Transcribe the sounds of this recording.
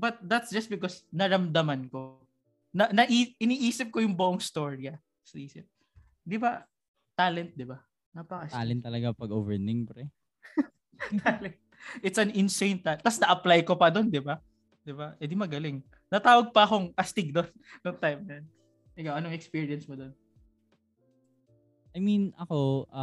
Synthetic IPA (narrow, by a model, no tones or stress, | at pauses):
bɐt̪̚d̪ɐt̪sd͡ʒɐst̪̚bɪkosnɐɾɐmd̪ɐmɐnko̞ | nɐnɐʔiːɪniːʔiːsɪp̚kojʊŋboʔoŋst̪o̞ɹjɐ | sɐʔiːsɪp̚ | d̪ɪba | t̪aːlɛnt̪̚d̪ɪba | nɐpɐkɐalɛnt̪ːɐlɐɡapɐɡoːvɛɹnɪŋpɾɛ | t̪ʰalɛnt̪̚ʔɪt̪sɐnɪnsejnt̪at̪ːɐsnɐʔɐplajkopɐd̪o̞nd̪ɪba | d̪̥ɪbaɛd̪ɪmɐɡɐlɪŋ | nɐt̪aːwɐɡ̚pɐɐko̞ŋʔɐst̪ɪɡ̚d̪onːoŋt̪ajmnɐjɐn | ʔɛkawʔɐnoŋɛkspiːɹiɐnsmod̪o̞n | ɐjminɐko